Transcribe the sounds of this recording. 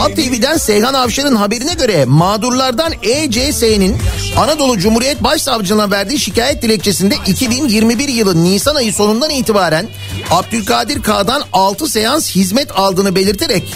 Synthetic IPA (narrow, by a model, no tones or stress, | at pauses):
at̪ʰevid̪ænsɛjɦanavʃaɾɯnɦabe̞ɾinɛɟø̞ɾɛmaːd̪uɾlˠaɾd̪aned͡ʒesenin | anad̪o̞lˠud͡ʒumhuːɾijɛt̪̚baʃsavd͡ʒɯnɯnˠavæɾd̪iːʃicaːjɛt̪̚d̪ilʲɛc̚t͡ʃʰe̞sind̪ɛʔicʰibinjiɾmibiɾjɯlˠɯnːiːsanajɯso̞nund̪aniːt̪ibaːɾæn | ab̚d̪ylʲkʰaːd̪iɾkʰaːd̪analˠt̪ʰɯse̞janshizmɛt̪ʰalˠd̪ɯːnɯbe̞lʲiɾt̪ʰeɾɛc̚